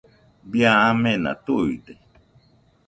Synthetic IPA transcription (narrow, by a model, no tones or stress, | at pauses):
biaamẽna̰t̪uid̪e